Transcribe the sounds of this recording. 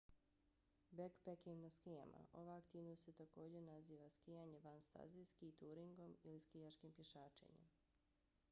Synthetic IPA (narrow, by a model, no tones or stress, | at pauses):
bekpekimnaskija̰mʔa̰ʔo̞ʋaakt̪iːʋnost̪set̪ako̞ːd͡ʑenaziːʋaskijaɲe̞ʋanst̪a̰zijskit̪uːɾiŋɡo̞miliskijaʃkimpje̞ʃaːt͡ʃḛɲe̞̰m